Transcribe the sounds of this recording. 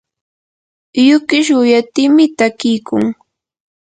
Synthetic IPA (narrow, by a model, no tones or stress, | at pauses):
jʊkɪʃ̬ʊjat̪ɪmɪt̪akɪjkʊŋ